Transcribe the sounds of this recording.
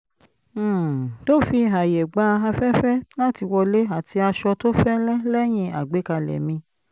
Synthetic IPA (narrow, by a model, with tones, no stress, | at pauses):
to˦fi˧a˨je˨ɡ͡ba˨˦˧a˧fɛ˦fɛ˦la˦ti˧wɔ˧le˦a˨ti˧a˧ʃɔ˧to˦fɛ˦lɛ˦lɛ˦j̃ĩ˧a̰˨ɡ͡be˨˦ka˧lɛ̰˨mĩ˧